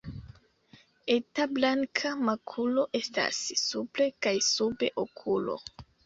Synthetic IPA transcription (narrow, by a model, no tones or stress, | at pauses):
etablaŋkʰamakʰulo̞ʔe̞sta̰sːuple̞kajsube̞ʔokʰulo̞̰